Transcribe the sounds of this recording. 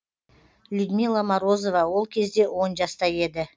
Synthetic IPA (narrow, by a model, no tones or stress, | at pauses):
lʲud̪milˠːamaɾo̞zo̞vɑwo̞lˠkʲʰe̞zd̪e̞wo̞nʒɑst̪ɑje̞d̪ɪ